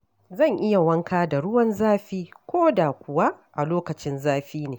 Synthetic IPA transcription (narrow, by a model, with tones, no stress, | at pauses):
zɐ˦˨ŋʔɪ˦ja˨wɐ˦ŋkʰaː˦da˨ɽʊ˦wɐ˦nzaː˦ɸiː˦kʷoː˦da˨kʷʊ˨wa˦ʔa˨loː˦kɐ˨t͡ʃɪ˦nzaː˦ɸiː˦neː˨